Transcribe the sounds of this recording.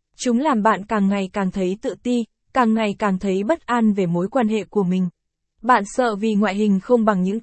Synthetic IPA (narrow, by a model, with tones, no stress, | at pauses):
t͡ɕʊ˨˦ŋ͡mlaː˨˩mɓa̰ː˧˨nkaː˨˩ŋːa˨˩jkaː˨˩ŋt̪ʰə˨˦jt̪ɨ̰˧˨t̪i˧ | kaː˨˩ŋːa˨˩jkaː˨˩ŋt̪ʰə˨˦jɓə˦˥t̚ʔa˧nve˨˩mo˨˦jkwaː˧nɦḛ˧˨ku˧˩əmï˨˩ŋ̟ | ɓa̰ː˧˨nsə̰ː˧˨vi˨˩ŋwa̰ː˧˨jɦï˨˩ŋ̟xə˧wŋ͡mɓa˨˩ŋɲɨ̰˧˥ŋ